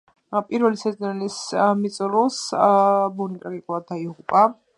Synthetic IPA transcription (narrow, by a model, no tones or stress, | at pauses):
pʼiɾvɛlisɛzɔnɛlismit̪sʼɔɾus | bunit̪ʼɾaɡikʼulˠad̪̚ːaiʁupʼa